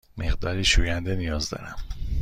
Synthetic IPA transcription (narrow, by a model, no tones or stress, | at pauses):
me̞ɣd̪ɒːɾiːʃuːjænd̪enijɒːzd̪ɒ̰ːɾæm